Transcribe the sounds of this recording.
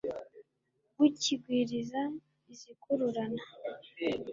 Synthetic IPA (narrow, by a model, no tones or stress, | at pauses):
ɡuciɡwiːɾiza | izikuɾuɾana